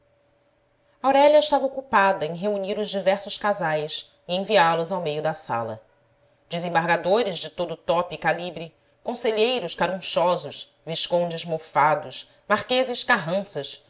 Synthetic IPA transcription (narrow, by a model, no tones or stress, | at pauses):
ɐawɾɛʎɐɪʃt̪avɐokupad̪ɐẽj̃ɦeuniɾʊzd͡ʒivɛɾsʊʃkazajs | iẽj̃viaɾlʊzawmejʊd̪ɐsa̰lɐ̰ | d͡ʒɪzẽbaɾɡad̪oɾɪzd͡ʒɪt̪od̪ʊːt̪ɔpikalibɾi | kõseʎejɾʊʃkaɾũʃɔzʊʃ | viʃkõd͡ʒɪzmofad̪ʊʃ | maɾkezɪʃkaɦɐ̃sɐʃ